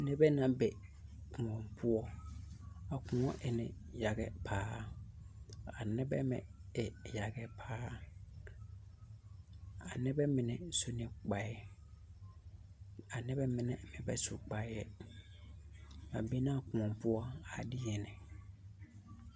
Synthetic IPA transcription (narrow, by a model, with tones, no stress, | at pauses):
nɛ˦bɛ˦nã˨bɛ˨ | kʰʊ̃˨ɔ̃˨mpʰʊ˦ɔ˦ | a˨kʊ̃˨ŋɔ̃˦ʔɪ˨nɪ̰̃˨ja˨ɡɛ˦pʰaː˨˦ | a̰˨nɪ˦bɛ̰˦mɛ̰̃˨ɪ˨ja˨ɡɛ˦pʰaː˦ | a̰˨nɛ˦bɛ˦mɪ̃˨nɛ˨so˦nɪ˨k͡pa˨˦ɛ˦ | a˨nɛ˦bɛ˦mɪ̃˨nɛ˨mɪ̃˨bɛ˦su˨k͡pa˨˦jɛ˦ | a̰˨be˦nɪ˦a˨kʊ̃˨ɔ̃˨mpʊ˦ɔ˦a˨dɪ˦jɛ˨nɪ̃˨